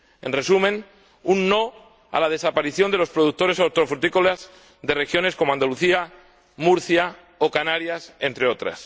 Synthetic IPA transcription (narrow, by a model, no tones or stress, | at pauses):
enre̞sumẽ̞n | unːo | a̰lað̞e̞sapaɾiθjo̞nd̪elo̞spɾoðuk̚t̪oɾe̞saɾt̪ɾofɾut̪ikolaz | ðe̞rexjo̞ne̞sko̞moãnd̪aluθia | muɾθja | okanaɾjasent̪ɾe̞o̞t̪ɾa̰s